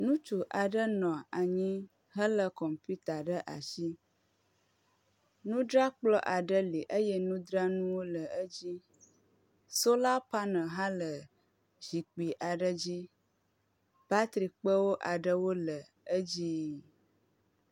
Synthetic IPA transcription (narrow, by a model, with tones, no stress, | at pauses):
nũ˦t͡ʃu˨ʔa˨ɖə˦nɔ̃˨a˨ɲĩ˦ | ɦə˦lə˦kɔ˨mpi˦t̪a˨ɖə˦ʔa˨ʃi˦ | nũ˦ɖɾa˦k͡plɔ˦ʔa˨ɖə˦li˨ʔə˦jɛ˦nũ˦d̪ɾa˦nũ˦wo˦lə˨ə˦d͡ʑi˦ | so˦la˦pa˦nə̃˨ɦã˦lə˨ | z̥i˨k͡pi˨ʔa˨ɖə˦d͡ʑi˦ | ba˦t̪ɾi˨k͡pə˦wo˦ʔa˨ɖə˦wo˦lə˨ | ə˦d͡ʑi˦